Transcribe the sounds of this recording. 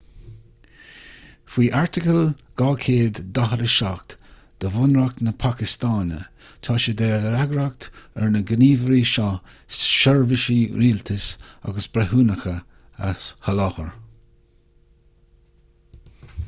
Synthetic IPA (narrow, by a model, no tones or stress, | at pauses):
fiːʔaɹt̪ɪkəlɡ̥ɑːkʰeːd̪ːaɦəɾəʃak̚t̪ | d̪̥əvʊnɹaknəpʰakɪst̪aːnə̰ | t̪ʰɑːʃəd̪eːɾaɡɾak̚t̪ɛ̰ɹnəɡəniːvəɾiʃɔ | sʃɔɹvɪʃiɾiːlt̪ʰəsa̰ɡəsbɾɛhuːnəxə | a̰shəlɔxəɹ